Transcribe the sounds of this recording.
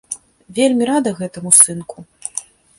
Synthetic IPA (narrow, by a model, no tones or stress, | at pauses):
vʲelʲmʲiɾad̪ɐɣɛt̪ɐmusɨnkʰu